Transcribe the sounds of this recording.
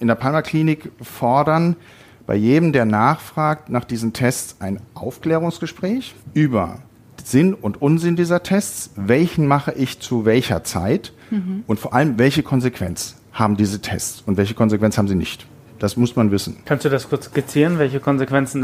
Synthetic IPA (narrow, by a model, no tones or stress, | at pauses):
ʔɪndeɐpʰalmakl̥iːnɪkfɔɐdɐn | b̥a̰ɪjeːdəm̩deːɐnaːχfʁ̥aːk̚tnaːχd̥iːzəm̩tʰɛst͡sʔaɪnʔaʊfkl̥ɛːʁ̞ʊŋsɡ̥əʃpʁ̥ɛːçʔyːbɐ̰ | z̥ɪnʊntʔʊnzɪndiːzɐtʰɛst͡svɛlçn̩maχəʔɪçt͡suvɛlçɐ̰t͡sa̰ɪt | ʔʊntfoːɐʔaləmvɛlçəkʰɔnzekv̥ɛnt͡s | haːbm̩diːzətʰɛ̰st͡sʊntvɛlçə̥kʰɔnzekv̥ɛnt͡shaːbm̩ziːnɪ̰çt | d̥asmʊsmanvɪsn̩kʰanstd̥uːdaskʰʊɐt͡skɪt͡siːʁənvɛlçəkʰɔnzekv̥ɛnt͡sn̩